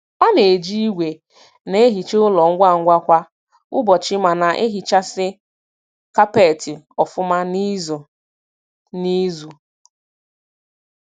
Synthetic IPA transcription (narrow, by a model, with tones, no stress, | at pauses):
ɔ˦ne˨d͡ʒi˦i˦ɡʷe˨ | ne˦e˦ɦi˨t͡ʃe˦ʊ˦lɔ˨ŋ̩˦ɡʷa˦˨ŋ̩˦ɡʷa˦kʷa˦ | ʊ˦bɔ˨t͡ʃɪ˦ma˨na˨ʔe˦ɦi˨t͡ʃa˦sɪ˦ | ka˦pe˨tɪ˨ | ɔ˨fʊ˦ma˦ni˦z | ni˦zu˨